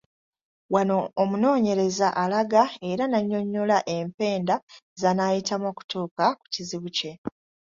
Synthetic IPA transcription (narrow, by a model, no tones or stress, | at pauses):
wano̞ːmuno̞ːɲe̞ɾe̞zaʔalaɡae̞ɾanaɲːo̞ɲːulaʔe̞mpe̞ːndazanajitamoku̥tuːkaku̥ciziβuce̞